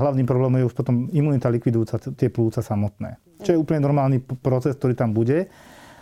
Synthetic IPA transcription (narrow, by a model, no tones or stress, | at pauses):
ɦlaʊniːmpɾɔblɛːmɔmjɛuʃpɔt̪ɔmimuːnit̪alikʋid̪ujuːt͡sat̪ɪɛpluːt͡sasamɔt̪nɛ̰ː | t͡ʃɔjɛuːpl̩ɲɛnɔɾmaːlniːpɾɔt͡sɛskt̪ɔɾiːt̪ambuɟɛ